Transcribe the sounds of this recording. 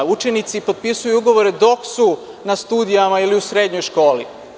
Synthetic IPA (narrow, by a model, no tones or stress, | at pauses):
ut͡ʃe̞nit̪sipot̪̚pisujuuɡo̞ʋo̞ɾed̪o̞ksu | nast̪uːd̪ijamailiusɾed̪ɲojʃko̞ːlḭ